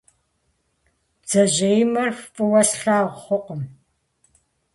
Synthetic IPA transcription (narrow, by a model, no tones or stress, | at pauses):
d͡zɐʑejmɐrxfʼɨwɐsɬaːʁʷχʷʊqəm